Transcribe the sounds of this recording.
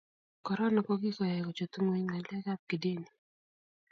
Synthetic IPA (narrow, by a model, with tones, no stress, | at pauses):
kɔ˨ɾɔ˦nɔ˦kɔ˦ɡɪ˦kɔ˨jɛ˨kɔ˨t͡ʃo˨t̪u˦ŋwe˦ɲŋa˨lɛ˦ka˦p̚ki˨de˦ni˨